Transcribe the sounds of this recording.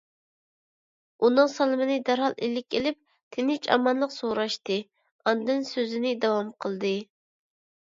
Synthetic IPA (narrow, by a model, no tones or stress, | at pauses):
unɨŋsɑlˠɨmɨnɨd̪æɾɦɑlˠʔelɪkʲelɪp̚ | t̪ʰenɪt͡ʃʰɑ̰mɑnlˠəqsoɾɑʃt̪ɨ | ɑnd̪ɨnsøzɪnɪd̪ɑwɑmqʰəlˠd̪ɨ